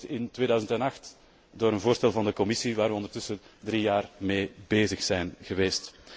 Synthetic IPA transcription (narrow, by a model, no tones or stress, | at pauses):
ɪntweːdœɥzəntɛnɑxt | doːɾənvoːrstɛlˠvɑndəkɔmɪsiʋaːrʋəɔndərtʏsədrijaːrmeːbeːzəxsɛjnɣəʋeːst